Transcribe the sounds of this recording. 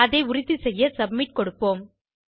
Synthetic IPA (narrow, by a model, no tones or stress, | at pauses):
ɐðɐɪʊɾɪðisɛjːɐsɐbmɪʈ̚kɔɽɯpːoːm